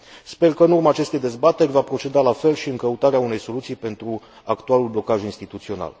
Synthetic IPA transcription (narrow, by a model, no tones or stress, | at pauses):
spe̞rkəɨnurmaːt͡ʃe̞st̪e̞jd̪e̞zbat̪e̞rʲvapɾo̞t͡ʃe̞d̪ealafe̞lʃiɨŋkəut̪aɾeaune̞jso̞lut̪sijpe̞nt̪ɾu | akt̪ualulblo̞kaʒuinst̪it̪ut̪sio̞na̰l